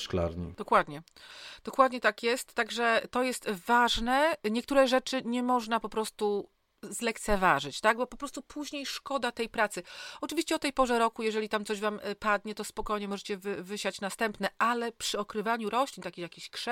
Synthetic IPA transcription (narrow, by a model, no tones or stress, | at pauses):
ʂkla̰ɾɲḭd̪̥ɔkwad̪ɲɛd̪̥ɔkwad̪ɲɛt̪akjɛst̪ːaɡʐɛt̪ɔjɛst̪vaʐnɛɲɛkt̪uɾɛʐɛt͡ʂɘɲɛmɔʐnapɔpɾɔst̪u | zlɛkt̪sɛvaʐɘt͡ɕt̪aɡ̚bɔpɔpɾɔst̪upʰuʑɲejʂkɔd̪at̪ɛjpɾat̪sɘɔt͡ʂɨvʲiɕt͡ɕɛɔt̪ɛjpɔʐɛɾɔkujɛʐɛlʲit̪amt̪sɔʑvampad̪ɲɛt̪ɔspɔkɔjɲɛmɔʐɛt͡ɕɛvɘvɘɕat͡ɕnast̪ɛmpnɛʔalɛpʂɘɔkɾɘvaɲuɾɔɕlʲint̪akʲijakʲiɕkʂɛ